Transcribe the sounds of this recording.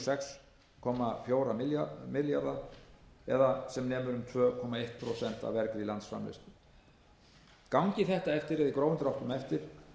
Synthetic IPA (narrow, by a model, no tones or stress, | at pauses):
sɛks | kʰɔmafjoːwɾamɪlmɪljaɾða | ɛðasɛmnɛːmʏɾʏmt̪ʰvœːkʰɔmaejht̪̚pʰɾosɛn̥t̪a̰vɛɾkɾɪilant̪sfɾa̰mlḛst̪ʏ | kawɲcɪθɛht̪aɛft̪ɪɾɛðikɾoːwʏnt̪ɾawht̪ʏmɛft̪ɪɾ̥